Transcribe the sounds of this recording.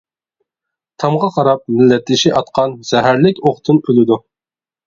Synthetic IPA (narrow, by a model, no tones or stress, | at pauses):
t̪ʰɑmʁɑqʰɑɾɑp̚mɪlːɛt̪ʰːɪʃiʔɑt̪qʰɑnz̥ɛɦæɾlɪkʲoχt̪ʰɨnølɪd̪u